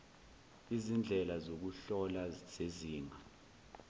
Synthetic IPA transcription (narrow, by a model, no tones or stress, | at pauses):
izind͡ɮʱɛlazok̬uɬɔlaz̥eziːŋa